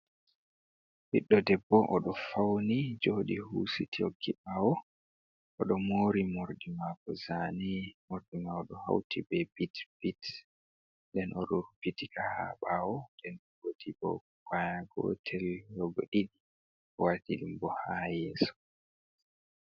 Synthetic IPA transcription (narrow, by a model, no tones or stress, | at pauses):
biɗːɔdɛbːɔʔɔɗɔfawnid͡ʒoɗihuːsitʰioɡiʔawɔ | ɔɗɔmoːɾimoɾdimakɔzanimoɾdimaɔɗɔha̰wtʰibɛbitb̥it | dɛnʔɔɗɔɾupitikaha̰ɓawɔdɛnɔɡotibɔ̰ | kwajaɡɔ̰tʰɛljɔɡo̰ɗiɗi | watiɗimbɔhajɛːsɔ̥